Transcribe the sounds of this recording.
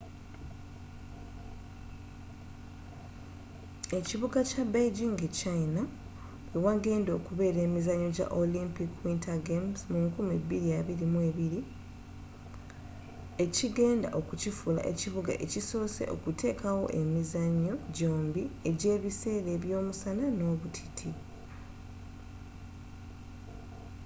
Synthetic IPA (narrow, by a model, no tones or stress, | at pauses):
e̞ciβuɡacabejɟiŋɡet͡ʃaina | wewaɡe̞ːndo̞ːkuβe̞ːɾe̞ːmizaɲːo̞ɟa̰ʔolimpikwintaɡemzmuŋkumebːiɾijaβiɾimwe̞ːβiɾi | e̞ciɡe̞ːnda̰ʔo̞kucifula̰ʔe̞̰ciβuɡa̰ʔe̞cisosḛʔo̞̰kutʰe̞ːkawo̞̰ʔe̞mizaɲːo̞ɟo̞ːmbie̞ɟe̞ːβise̞ːɾe̞ːβjo̞ːmusanano̞ːβutʰi̥tʰi